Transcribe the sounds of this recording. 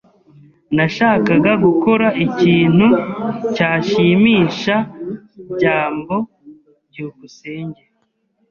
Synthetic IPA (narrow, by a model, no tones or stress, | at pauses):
naʃaːkaɡaɡuko̞ɾaʔiciːn̥hucaːʃimiːʃa | iɟaːmbo̞ | bɟuːβuseːɲɟe